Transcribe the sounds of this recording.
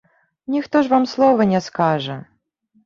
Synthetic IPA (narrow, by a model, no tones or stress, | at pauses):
nʲixt̪ɔʐvamslˠɔvɐnʲɛskaʐɐ